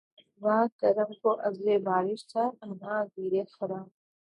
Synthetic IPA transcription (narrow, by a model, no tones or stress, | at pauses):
ʋãːkɐɾəmkoːʔɐzleːbaːɾɪʃt̪ʰaːɐmãːziːɾeːfɐɾãː